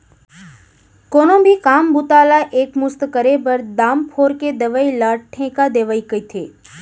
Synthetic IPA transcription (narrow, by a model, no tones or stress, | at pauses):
konõbʱikaːmbʊt̪alaʔekmʊst̪kəɾebəɾd̪aːmpʰoːɾked̪əʋailaːʈʰẽkad̪eʋaikəit̪ʰe